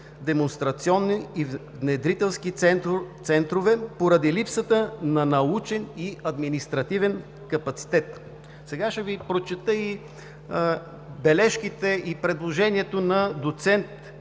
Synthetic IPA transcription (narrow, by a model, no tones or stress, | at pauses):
d̪ɛmonst̪ɾɐt̪siɔnːivnɛd̪ɾit̪ɛlˠskit̪sɛnt̪ɾovɛpoɾəd̪ilipsət̪ənɐnɐut͡ʃɛniɐd̪minist̪ɾɐt̪ivɛn | kɐpɐt̪si̥t̪ɛt̪ | sɛɡaʃɛvipɾot͡ʃɛt̪əi | bɛlɛʃkit̪ɛipɾɛd̪lˠoʒɛniɛt̪onɐd̪ot̪sɛnt̪